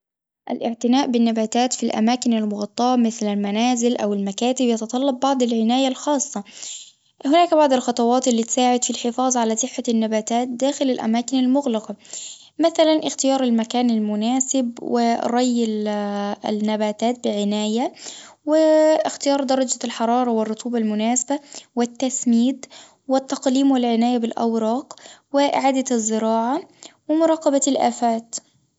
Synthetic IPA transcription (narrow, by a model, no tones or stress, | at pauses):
ʔalʔɪʕt̪ɪnaːʔbɪnːabaːt̪aːt̪filʔa̰maːkɪnalmʊɣɑt̪ˤːɑːmɪθlalmanaːzɪlʔawɪlmakaːt̪ɪbjɑt̪ɑt̪ˤɑlːɑb̚ːɑʕd̪ˤɪlʕɪnaːjalxɑːsˤːɑ | hɪnaːkbaʕd̪ˤɪlxɑt̪ˤɑwɑːt̪ɪlːiːt̪saːʕɪd̪filħɪfɑːzˤʕalasˤɨħːanːabaːt̪aːt̪̚d̪aːxɪlalʔa̰maːkɪnalmʊɣlɪqɑ | maθalanʔɪxt̪ɪjɑːɾˤalmakaːnalmʊnaːsɪbwɪɾˤɑjːɪl̰ | nːabaːt̪aːt̪̚bɪʕɪnaːja | wɪɪxt̪ɪjɑːɾˤd̪ɑɾˤɑd͡ʒalħɑɾˤɑːɾˤɑwɪrˤːʊt̪ʰˤuːbɑlmʊnaːsabawɪt̪ːasmiːd̪ | wɪt̪ːɑqliːmwɪlʕɪnaːjabɪlʔa̰wɾˤɑːqwɪʔɪ̰ʕaːd̪azːɪɾɑːʕawɪmʊɾˤɑːqɑbalʔa̰ːfaːt̪